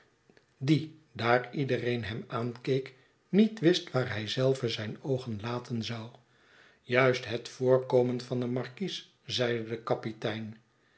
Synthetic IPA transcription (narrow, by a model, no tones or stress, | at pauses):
didaːridərejnɦɛmaːnkejk | nitʋɪstʋaːɹɦɛjzɛlˠvəzɛjnowχənlaːtʰənzɑw | jœɥstɦətfʊːɹkoːmənvɑndəmɑɹkis | zɛjdədəkɑpitɛjn